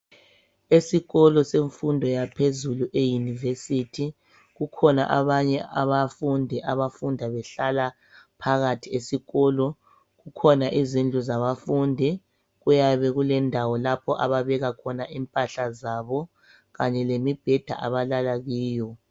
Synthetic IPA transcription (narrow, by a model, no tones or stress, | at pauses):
esiɣɔlɔseɱfundʱɔjapʰezuluʔejunivesitʰi | ɣukʰɔna̰ʔaβaɲɛʔaβafundʱɛʔaβafundʱaβɛɬala | pʰaɣatʰiesiɣɔːlɔ | ɣukʰɔnaʔizind͡ɮʱuzaβafundʱi | ɣujaβɛɣulɛndʱawɔlapʰɔʔaβaβɛɣakʰɔnaʔimpʼaɬazaβɔ | ɣaɲɛlemib̥ʱɛd̥ʱa̰ʔa̰βalalaɣiːjɔ